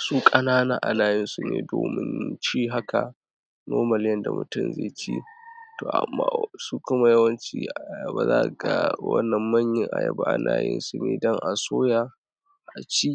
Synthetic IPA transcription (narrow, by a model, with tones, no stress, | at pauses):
su˦kʼɐ˦naː˦naː˦ʔa˨naː˨jɪ˦nsu˨nḛː˨doː˨mɪ˦nt͡ʃiː˦ɦa˦kʰa˨ | noː˦mɐ˨ljɐ˦nda˨mʊ˨tʊ˦mzeː˨t͡ʃḭ˦toː˨ʔa̰˨mːaː˦su˦kʊ˦ma˨jɐ˦wɐ˦nt͡ʃḭ˦ʔa˨jɐ˨ba˨zaː˦ʔɡa˨wɐ̰˦nːɐ˨mːɐ˦ɲjɪ˦ŋʔa̰˨jɐ˨ba˦ʔa˨nʔaː˦˨jɪ̰˦nsu˨neː˨dɔ˦ŋʔa˨soː˦ja˨ | ʔa˨t͡ʃi˦